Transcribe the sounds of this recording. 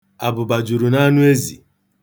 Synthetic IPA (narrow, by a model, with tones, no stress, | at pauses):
a˨bʊ˨ba˨d͡ʒu˨ɾu˨na˦nʊ˦e˦zi˨